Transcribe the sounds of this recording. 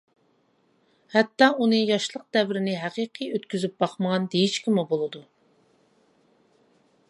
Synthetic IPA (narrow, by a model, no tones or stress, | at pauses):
hɛt̪ːɑunɨjɑʃlˠəq̚d̪ɛvɾɪnɪɦæqiqʰijøt̪kʲyzyp̚bɑχməʁɑnd̪ejit͡ʃkʲʰimubolˠɨd̪u